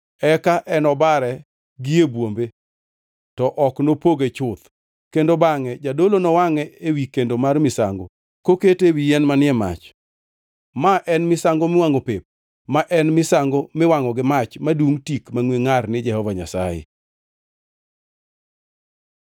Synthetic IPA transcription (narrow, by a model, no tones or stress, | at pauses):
ɛkaʔɛnɔbaɾɛ | ɡɪebwombe | tɔʔɔknopoɡet͡ʃʊt̪ | kendobaŋɛd͡ʒadolonɔwaŋɛewikendomarmɪsaŋɡo | koketewijɛnmanɪɛma̰t͡ʃ | maʔɛnmɪsaŋɡomɪwaŋopep̚ | maʔɛnmɪsaŋɡomɪwaŋɔɡɪmat͡ʃmaduŋtikmaŋweŋarnɪd͡ʒɛhɔvaɲasa̰jɪ̰